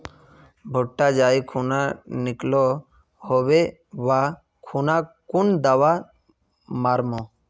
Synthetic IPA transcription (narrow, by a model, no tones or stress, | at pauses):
bʱoʈːad͡ʒaːikʰunanɪklo | hoʋe | ʋa | kʰunakʊnd̪aʋa | maɾmo